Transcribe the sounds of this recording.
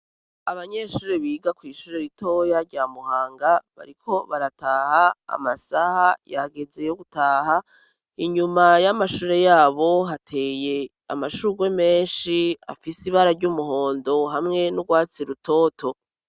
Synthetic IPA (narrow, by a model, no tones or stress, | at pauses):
aβaɲe̞ʃuːɾeβiːɡakwiːʃuːɾeɾito̞jaɾɟaːmuhaːŋɡaβa̰ɾikʰo̞βaɾataːhaa̰masahajaɡe̞ze̞joɡutaːɦa | iɲumajamaʃuːɾe̞jaːβo̞ɦatʰe̞ːje̞ | a̰maʃuɾuɡwe̞me̞ːnʃia̰fisiβaɾaɾɟuːmuɦo̞ːndo̞ɦamŋe̞nuɡwaːt͡siɾuto̞ːtʰo̞